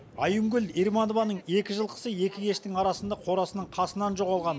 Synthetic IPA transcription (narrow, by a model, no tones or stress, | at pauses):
ɑjuŋɡʲʏliɾmɑnovɑnəɴe̞kʲɪʒəlˠqʰə̥səe̞kʲɪkʲʰe̞ʃt̪ɪŋɑɾɑsənd̪ɑqʰo̞ɾɑsənəɴqʰɑsənɑnʒo̞ʁɑlˠʁɑn